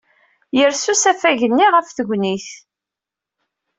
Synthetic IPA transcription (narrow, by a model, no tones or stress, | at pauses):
jəɾsusæfæʝənːiʁəfθəɡʷniθ